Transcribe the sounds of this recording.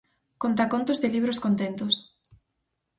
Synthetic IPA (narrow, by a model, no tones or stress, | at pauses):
kont̪akont̪ozðeliβ̞ɾoskont̪ent̪os